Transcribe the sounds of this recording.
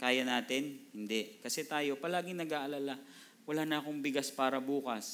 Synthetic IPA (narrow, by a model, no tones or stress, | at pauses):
kaːjɐnaːt̪ɪnhɪnd̪ɛʔkɐsɛt̪aːjo̞pɐlaːɡɪŋnɐɡaːʔɐlala | wɐlaːnɐɐko̞ŋbɪɡaspaːɾɐbuːkɐs